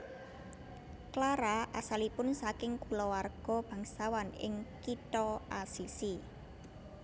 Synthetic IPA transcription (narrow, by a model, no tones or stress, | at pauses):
klaɾaʔasalipʊnsakɪŋkulɔwarɡ̥ɔ̤b̥a̤ŋsawanɪ̰ŋkit̪ɔʔasisi